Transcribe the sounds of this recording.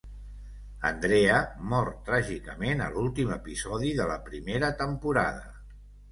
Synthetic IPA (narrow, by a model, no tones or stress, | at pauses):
ə̰nd̪ɾeəmɔɾt̪ːɾaʒikəmenə̰lulˠt̪iməpizɔðiðələpɾimeɾət̪əmpuɾaðə